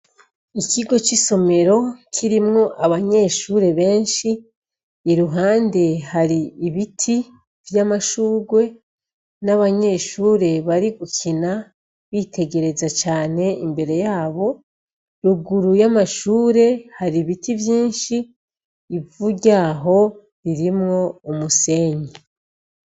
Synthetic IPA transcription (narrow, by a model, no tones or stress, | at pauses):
ikiɡo̞t͡ʃiso̞me̞ɾo̞kʰiɾimŋo̞ʔaβaɲe̞ʃuːɾe̞βe̞ːnʃiː | ɾuɦaːnde̞haɾiːβitʰi | vjamaʃuːɡwe̞ | naβaɲe̞ːʃuːɾe̞βaɾiɡukʰina | βiːtʰe̞ɡe̞ɾe̞zat͡ʃaːne̞imbe̞ɾe̞jaːβo̞ | ɾuɡuɾujamaʃuːɾe̞haɾiβitivjiːnʃiː | vuɟaːɦo̞ | ɾiɾimŋo̞umuse̞ːɲe